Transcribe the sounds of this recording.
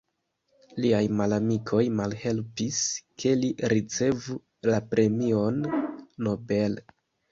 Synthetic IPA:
liajmalamikʰo̞jmalhe̞lpiskʰe̞liɾit͡se̞vu | lapɾe̞mio̞nːo̞be̞l

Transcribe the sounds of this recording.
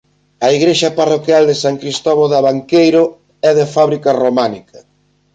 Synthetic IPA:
ɐiɣɾeʃɐparokjald̪esaŋkɾist̪ɔβoðaβaŋkejɾo | ɛðefaβɾikɐromanikɐ

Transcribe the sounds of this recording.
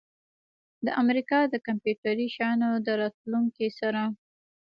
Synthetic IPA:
d̪əʔamɾikɑd̪əkampjuʈaɾiʃɑnod̪əɾɑt̪luŋkisaɾa

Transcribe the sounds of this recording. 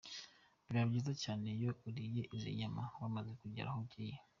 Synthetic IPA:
bjabɟiːzacaːne̞jo̞uɾijeʔizḭɲamawamazekuɟḭɾa̰hoɟije

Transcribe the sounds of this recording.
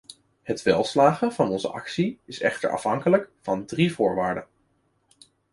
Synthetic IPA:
hətʋɛlˠslaːχəv̥ɑnɔnzə̰ʔɑ̰ksiɪsɛ̰χtə̰ɹʔɑ̰fɦɑŋkələkvɑndrivʊːɹʋaːɹdən

